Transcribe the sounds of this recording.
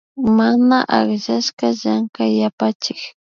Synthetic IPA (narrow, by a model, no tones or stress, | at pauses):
manaʔaχʒaʃkaʒaŋkajapat͡ʃɪk